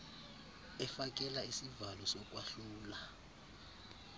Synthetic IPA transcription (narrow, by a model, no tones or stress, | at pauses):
ɛfak̬ʼɛlaisivalɔsɔk̬ʼwaɬuːla